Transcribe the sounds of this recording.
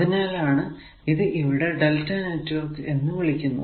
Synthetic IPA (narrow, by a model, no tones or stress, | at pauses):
ɐðinaːlaːɳɨ | iðɨʔiʋiɽe̞ɖeltːɐnɐtːuʋɐrkɨe̞nːɨʋiɭikʲːunːṵ